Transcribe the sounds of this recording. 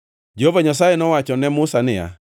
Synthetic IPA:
d͡ʒovaɲasajenɔwat͡ʃɔnɛmʊsanɪja̰

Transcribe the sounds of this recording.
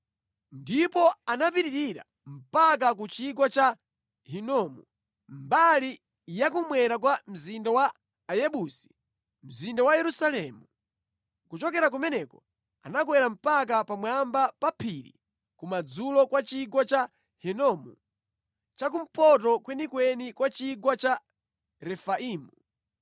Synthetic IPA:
ndipɔanapiɾiɾiɾa̰ | m̩pak̬ak̬ut͡ʃik̬wɔt͡ʃa | hinɔmu | mbali | jak̬umwɛɾakwam̩zindawaː | jɛɓusi̥ | m̩zindawajɛɾusalɛmu | kut͡ʃɔkɛɾak̬umɛnɛkɔ | a̰nak̬wɛɾam̩pak̬apamwambapapʰiɾḭ | kumad͡zulɔkwat͡ʃiɡwat͡ʃa | hinɔmu | t͡ʃak̬um̩pʰɔt̬ɔkwɛnikwɛnikwat͡ʃiɡwat͡ʃa | ɾɛfaʔiːmu

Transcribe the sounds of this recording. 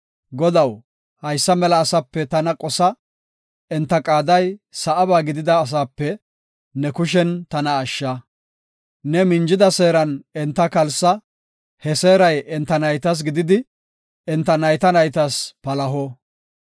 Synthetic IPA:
ɡɔd̪ɐw | hɐjsːɐmɛlɐːsɐpːɛt̪ɐnɐkʼɔsɐ | ɛnt̪ːɐkʼaːd̪ɐjsɐʔɐbaːɡɪd̪ɪd̪ɐːs̬aːpːɛ | nɛkʊʃ̬ɛnt̪ɐnɐːʃːɐ | nɛmɪnd͡ʒɪd̪ɐse̞ːɾɐnɛnt̪ːɐkɐlsɐ | hɛseːɾɐjɛnt̪ːɐnɐjt̪ɐs̬ɡɪd̪ɪd̪ɪ | ɛnt̪ːɐnɐjt̪ɐnɐjt̪ɐspɐlɐɦɔ

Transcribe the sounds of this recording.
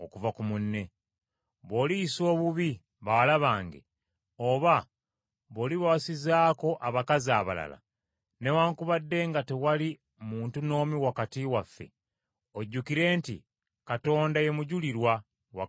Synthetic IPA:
okuvakumunːe̞ | βo̞ːliso̞ːβuβi | βawalaβaːŋɡḛ | oβa | βo̞ːliβasizaːko̞ʔaβakaziaβa̰la̰la̰ | ne̞waːŋkuβadːe̞ːŋɡatewali | muːntuno̞ːmiwakatiwafːe̞̰ | oɟːukiɾe̞ːntḭ | kato̞ːndaje̞muɟuliɾwa | wa̰

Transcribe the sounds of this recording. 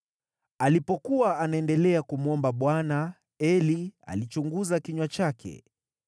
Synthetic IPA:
alipɔkuwaːnaɛndɛlɛakumuɔmbaɓwana | ɛlia̰lit͡ʃuŋɡuzakiɲwat͡ʃakʰɛ̰

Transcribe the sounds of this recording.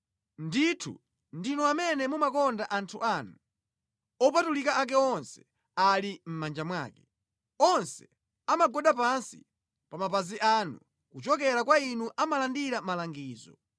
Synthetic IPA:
nditʰṵ | ndinɔamɛnɛmumakɔndaʔantʰuʔanu | ɔpatulikaʔak̬ɛɔnsɛ̥ | alim̩mand͡ʒamwa̰ːkɛ̥ | ɔnsɛ | amaɡɔɗapansḭ | pamapaziʔanṵ | kut͡ʃɔkɛɾakwainuʔamalandiɾamalaŋɡiːzɔ̰

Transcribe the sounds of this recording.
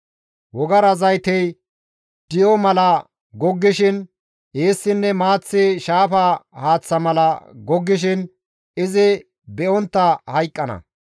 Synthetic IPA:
wɔɡɐɾɐzɐjt̪ɛj | d̪̥ɪjɔmɐlɐ | ɡɔɡːɪʃɪn | ʔeːsːɪnːɛmaːt͡sːɪʃaːfɐhaːt͡sːɐmɐlɐɡɔɡːɪʃɪn | ɪzɪ | bɛʔɔnt̪ːɐhɐjkʼːɐnɐ̰

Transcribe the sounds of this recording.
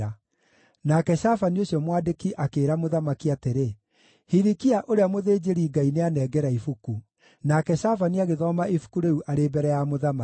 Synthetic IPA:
a | nakɛʃafanioɕjɔmwaːdekiʔakeːɾamoðamakiateɾe | hiɾikiaʔoɾeamoðeːd͡ʒeɾiːɡaineanɛːɡɛɾaifuku | nakɛʃafaniaɣeðɔmaifu̥kuɾeuʔaɾebɛɾɛjamoðama

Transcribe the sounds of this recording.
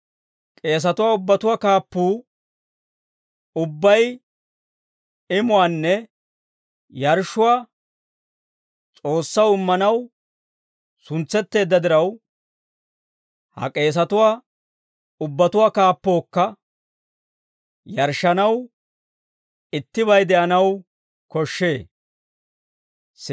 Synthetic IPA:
kʼe̞ːs̬ɐt̪ʊwaːʊbːɐt̪ʊwaːkaːpːuː | ʊbːɐj | ɪmʊwaːnːɛ | jɐɾʃʊwaː | t͡sʼo̞ːsːɐwɪmːɐnɐw | sʊnt͡sːɛt̪ːe̞ːd̪ːɐd̪ɪɾɐw | hɐ̰kʼe̞ːs̬ɐt̪ʊwaː | ʊbːɐt̪ʊwaːkaːpːo̞ːkːɐ | jɐɾʃːɐnɐw | ɪt̪ːɪβɐjd̪ɛʔɐnɐw | kɔʃːe̞ː

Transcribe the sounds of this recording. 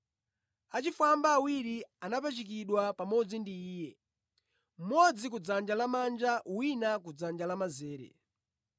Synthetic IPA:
at͡ʃifambaːwiɾianap̬at͡ʃik̬iɗwapamɔd͡zindiːjɛ | m̩mɔd͡zik̬ud͡zand͡ʒalamand͡ʒawinak̬ud͡zand͡ʒalamazɛːɾɛ̰

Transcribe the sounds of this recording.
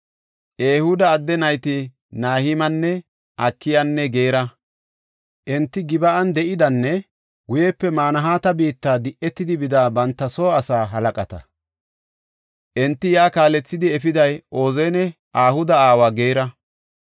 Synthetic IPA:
ʔeːhʊd̪ɐːd̪ːɛnɐjt̪ɪ | naːhɪmɐnːɛ | ʔɐkːɪjɐnːɛɡe̞ːɾɐ | ʔɛnt̪ːɪɡɪbɐʔɐnd̪ɛʔɪd̪ɐnːɛ | ɡʊjɛpːɛmaːnɐɦaːt̪ɐbiːt̪ːaːd̪ɪʔːɛt̪ːɪd̪ɪbɪd̪aːbɐnt̪ːɐsoːɐsaːɦɐlɐkʼɐt̪ɐ̰ | ʔɛnt̪ːɪjaːkaːlɛt͡sːɪd̪ɪɛfɪd̪ɐjʔo̞ːzɛnɛ | ʔaːhʊd̪ɐaːwaɡe̞ːɾɐ

